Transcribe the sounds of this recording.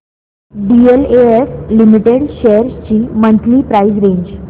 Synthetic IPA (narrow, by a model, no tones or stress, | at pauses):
ɖieleeslimiʈeɽɕeəɾst͡ɕiːmənt̪ʰliːpɾaisɾeɲd͡ʑ